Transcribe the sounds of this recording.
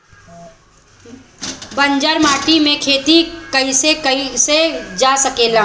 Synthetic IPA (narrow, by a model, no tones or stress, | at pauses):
bənd͡ʒəɾmaːʈimẽkʰeːt̪ikəisekəised͡ʒasəkelã